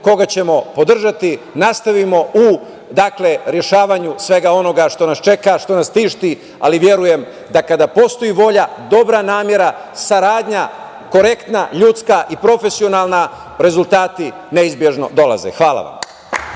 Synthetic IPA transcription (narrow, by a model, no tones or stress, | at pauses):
ko̞ɡat͡ɕe̞mo̞po̞d̪r̩ʒat̪inast̪aʋimo̞u | d̪akleɾje̞ʃaːʋaɲusʋe̞ɡao̞no̞ɡaʃt̪o̞nast͡ʃe̞kaʃt̪o̞nast̪iːʃt̪i | a̰liʋje̞ɾuje̞m | d̪akad̪apo̞st̪o̞iʋo̞ʎad̪o̞bɾanaːmje̞ɾasaɾaːd̪ɲa | ko̞ɾe̞kt̪naʎut̪skaʔipɾo̞fe̞sio̞nalˠna | ɾe̞zult̪aːt̪i | ne̞izbje̞ʒno̞̰d̪o̞la̰zḛxʋaːla̰ʋa̰m